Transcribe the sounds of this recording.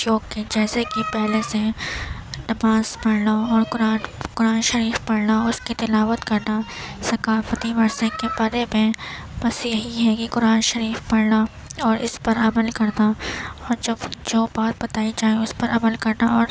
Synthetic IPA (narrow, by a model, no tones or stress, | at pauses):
joːkid͡ʒɛːsekipɛɦlese | ɖɐmaːzpɐɽnaɔːɾkʊɾaːnkʊɾaːnʃɐɾiːfpɐɽnaʊskit̪ɪlaːʋət̪kɐɾnasɐkaːfət̪iʋɐɾsẽkebaːɾemẽbɐsjɐɦiɦɛkikʊɾaːnʃɐɾiːfpɐɽna | ɔːɾɪ̰spɐɾɐməlkɐɾnaɔːɾd͡ʒɐbd͡ʒoːbaːt̪̚bɐt̪aːid͡ʒaːeʊspɐɾɐməlkɐɾnaɔːɾ